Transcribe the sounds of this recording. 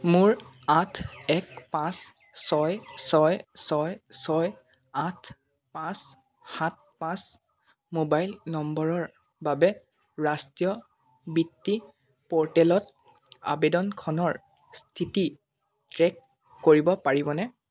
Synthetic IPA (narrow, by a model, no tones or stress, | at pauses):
mʊɹatʰɛk̚pãsː | ɔjsɔjsɔjsɔj | atʰ | pãs | hat̚pãs | mobajlnɔmbɔɹɔɹ | babɛ | ɹastijɔ | bitːi | pɔɹtɛlɔt | a̰bedɔnkʰɔnɔɹ | stʰiti | tɹɛkː | oɹibɔpaɹibɔnɛ